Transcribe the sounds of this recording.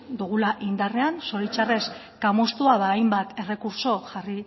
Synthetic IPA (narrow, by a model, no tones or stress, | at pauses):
d̪uɣ̞ulaʔind̪areanso̞ɾit͡ʃare̞s | kamost̪uaðaːjmbat̪e̞re̞kuɾso̞ʝari